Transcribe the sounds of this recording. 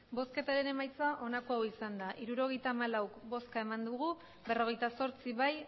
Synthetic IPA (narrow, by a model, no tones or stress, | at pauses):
bo̞ske̞t̪aɾe̞ne̞majt͡saʔo̞nakoawisand̪aʔiɾuɾo̞ɣ̞ejt̪aːmalawkbo̞skae̞mand̪uɣ̞u | be̞ro̞ɣ̞e̞jt̪aso̞ɾt͡siβaj